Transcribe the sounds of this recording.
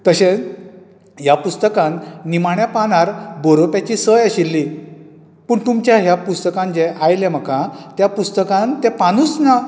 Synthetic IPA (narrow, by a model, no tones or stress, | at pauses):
t̪əɕẽ | japust̪əkãnːimaɳjapanaɾboɾopjat͡ɕiːsəjəɕilːi | pəːɳt̪umt͡ɕjaɦjapust̪əkãnd͡ʑeʔajlem̤əkãt̪japust̪əkãnt̪epanusna